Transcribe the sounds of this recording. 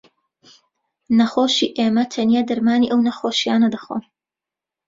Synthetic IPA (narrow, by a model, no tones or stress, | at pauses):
nɐxoːʃiːʔeːmɐt̪ʰɐnijaːd̪ɐɾmaːniːʔɐwnɐxoːʃijaːnɐd̪ɐxo̰m